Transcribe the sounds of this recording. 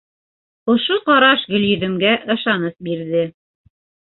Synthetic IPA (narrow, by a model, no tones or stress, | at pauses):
ŏʃoqɑɾɑʃɡɵ̆ljɵ̆ðɘ̆mɡæʔɤ̆ʃɑnɤθbiɾðɘ